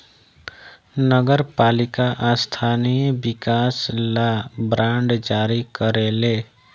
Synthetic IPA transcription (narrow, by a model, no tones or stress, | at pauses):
nəɡəɾpalikaʔast̪ʰanijbikaslabɾãɳɖd͡ʒaɾikəɾele